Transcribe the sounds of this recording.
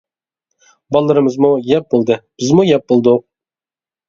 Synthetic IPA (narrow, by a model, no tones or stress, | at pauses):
bɑlˠːəɾɨmɨzmujɛp̚bolˠd̪ɨb̥ɪzmujɛp̚b̥olˠd̪ʊq